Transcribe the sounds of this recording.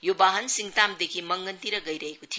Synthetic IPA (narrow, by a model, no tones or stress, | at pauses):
jobaɦɐnsiŋt̪amd̪ekʰimʌŋɡʌnt̪iɾɐɡʌjɾʌekot̪ʰi